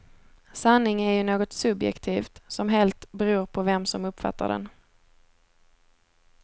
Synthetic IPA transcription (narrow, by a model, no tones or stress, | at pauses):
sanːɪŋæɾjɵnoːɡɔt̪sɵbjɛ̰kt̪ʰiːft̪sɔmɦɛlt̪bɛɾuːɾpʰɔvɛmsɔmɵpːfa̰t̪ːa̰ɖɛ̰n